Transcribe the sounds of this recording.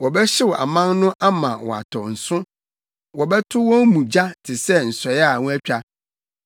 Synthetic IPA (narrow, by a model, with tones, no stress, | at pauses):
wɔ˨bɛ˦ɕɪ˦wɔ˨ʔa̰˨mã˦nnʊ̃˦ʔa˦mã˨wɔ̰˨a̰˨tʰɔ˨n̩˨sʊ̃˦ | wɔ˨bɛ˦tʰʊ˦wɔ̃˦mũ˨d͡ʑa˦tʰɪ˨sɛ˦n̩˨sɔ˨ja˦˨ŋũ˦æ˦t͡ɕᶣa˦